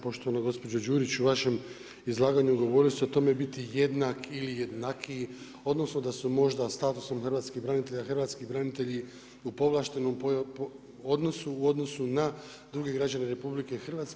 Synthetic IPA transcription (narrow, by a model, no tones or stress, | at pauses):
po̞ʃt̪o̞ʋanoɡo̞spo̞d͡ʒod͡ʒuːɾit͡ɕuʋaʃe̞m | izlˠaːɡaɲuuɡo̞ʋo̞ɾiliso̞t̪o̞me̞bit̪ije̞d̪naːkilije̞d̪nakʰi | o̞d̪no̞sno̞d̪asumo̞ʒd̪ast̪aːt̪uso̞mxr̩ʋaːt̪skihbɾanit̪e̞ʎaxr̩ʋaːt̪skiɦbɾanit̪e̞ʎi | upo̞ʋlˠaːʃt̪e̞nompo | o̞d̪no̞suːo̞d̪no̞suna | d̪ɾuːɡeɡɾad͡ʑaneɾe̞publike̞xr̩ʋaːt̪s